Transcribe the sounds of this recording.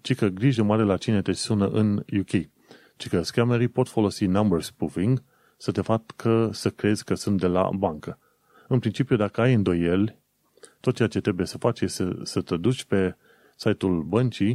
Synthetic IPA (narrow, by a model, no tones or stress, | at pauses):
t͡ʃikəɡɾiʒəmaɾe̞lat͡ʃine̞t̪e̞sunə̰ʔɨnjukʰʲej | t͡ʃikəskameɾipo̞t̪fo̞lo̞sinambərspuviŋɡ | sət̪e̞fakʰəsəkɾe̞zʲkəsunt̪̚d̪e̞la̰baŋkə | ɨnpɾint͡ʃipiud̪akəajɨnd̪o̞je̞lʲ | t̪ot̪̚t͡ʃeat͡ʃet̪ɾe̞buje̞səfat͡ʃjest̪esət̪ed̪ut͡ʃʲpe̞ | sajt̪ulbənt͡ʃij